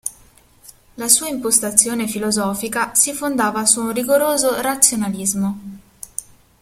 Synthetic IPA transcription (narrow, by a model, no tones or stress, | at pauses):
lasuːaimpost̪at̪sːjoːnefilozɔːfikasifond̪aːvasuːnriɡoɾoːzoɾat̪sːjonalizmo